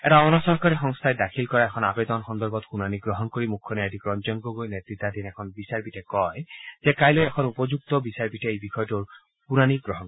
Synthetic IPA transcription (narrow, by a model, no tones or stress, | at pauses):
ɛɾaɔnɔsɔɹkaɹixɔŋst̪ʰajdakʰilkɔɹaɛkʰɔnabed̪ɔnxɔnd̪ɔɹbɔt̪kunaniɡɹɔɦɔnkoɹimukʰːɔnɛadikɹɔnzɔnɡɔɡojnet̪ɹit̪ːad̪inɛkʰɔnbisaɹbitɛkɔjz̥ɛkajlojɛkʰɔnupɔzuk̚t̪ɔbisaɹbitɛejbixʰɔjɔtuɹ | punaniɡɹɔɦɔnk